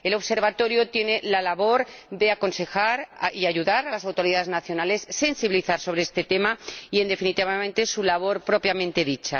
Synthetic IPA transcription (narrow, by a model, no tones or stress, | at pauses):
e̞lo̞βse̞ɾβat̪o̞ɾjot̪je̞ne̞lalaβo̞ɾðe̞ako̞nse̞xaɾaiaʝuðaɾalasawt̪o̞ɾiðaðeznaθjo̞nale̞sːe̞nsiβiliθaɾso̞β̞ɾe̞est̪e̞t̪e̞maie̞nd̪e̞finit̪iβament̪esulaβ̞o̞ɾpɾo̞pjamẽnt̪e̞ðit͡ʃa̰